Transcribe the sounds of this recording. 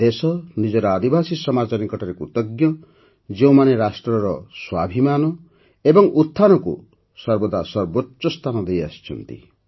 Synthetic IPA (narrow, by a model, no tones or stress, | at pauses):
d̪̥esɔnid͡ʒɔɾɔad̪ibʱasisɔmad͡ʒɔɾiŋkɔʈʰɔɾekut̪ɔɡjɔ | d͡ʒeũmaneɾasʈɾɔɾɔswabʱimanɔ | ebɔŋut̪ʰːanɔkṵ | sɔɾbɔd̪ʱasɔɾbotːɔst̪ʰanɔd̪eja̰si̥t͡ʃʰɔ̰nt̪ḭ